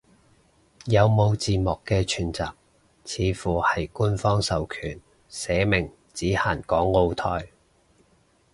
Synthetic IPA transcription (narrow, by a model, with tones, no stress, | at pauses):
jɐ˨˧wmo˨˧wt͡siː˨mɔː˨˩kːɛː˧t͡ʃʰyː˨˩nt͡sa̰ː˨p̚ | t͡sʰiː˨˧fuː˨˩hɐ˨jkuː˥nfɔː˥ŋsɐ˨wkʰyː˨˩n | sɛː˨˧mɪ˨˩ŋ | t͡siː˨˥haː˨˩nkɔː˨˥ŋːo˧wt̪ʰɔː˧j